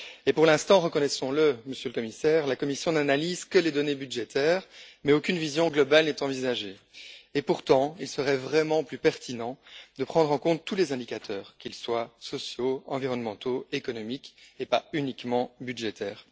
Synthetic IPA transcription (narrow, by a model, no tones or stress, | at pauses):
epuʁlɛ̃st̪ɑ̃ʁəkɔnɛsɔ̃ləməsjøləkɔmisɛːʁlakɔmisjɔ̃nanalizkəled̪ɔnebydʒet̪ʰɛːʁmɛokʲynvizjɔ̃ɡlɔbalnɛt̪ɑ̃vizaʒeː | puʁt̪ɑ̃ilsəʁɛvʁɛmɑ̃plypɛʁt̪ʰinɑ̃d̪əpχɑ̃d̪ʁɑ̃kɔ̃t̪ːulɛzɛ̃d̪ikat̪ʰœːʁkʲilswasɔsjoɑ̃viʁɔnmɑ̃t̪oekɔnɔmikepaynikmɑ̃bydʒet̪ɛːʁ